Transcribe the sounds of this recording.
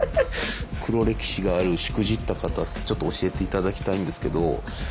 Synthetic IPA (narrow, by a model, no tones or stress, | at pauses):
kʰɯ̟ɾo̞ɾe̞kʲi̥ɕiɡaːɾɯ̟ɕi̥kɯ̟ʑit̪ːakat̪at̪ːe̞̥t͡ɕo̞t̪ːoːɕie̞t̪e̞it̪ad̪akʲi̥t̪aĩnd̪e̞sɨ̥ke̞d̪o̞